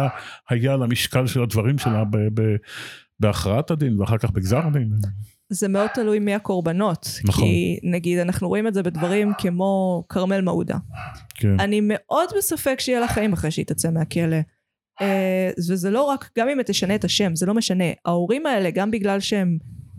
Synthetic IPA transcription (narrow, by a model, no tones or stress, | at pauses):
hajaalamiʃkalʃelad̪vaʁimʃelaabebebeaχʁaat̪ad̪inveaχaʁkaχbeɡzaʁd̪in | zemeo̞d̪̚t̪alujmiako̞ʁbano̞tnkχḭnaɡid̪anaχnuʁo̞imetzebe̞dvɐʁimkʰemo̞kʰaʁme̞lmaṵd̪a̰kʰenanime̞ʔo̞dbesafe̞kʃejelaχaimaχʁejʃeit̪at͡semeake̞le̞ | vezelo̞ʁakɡ̥amimt̪ːeʃaneːtaʃe̞mzelo̞meʃane̞aoʁimae̞le̞ɡambiɡlalʃeem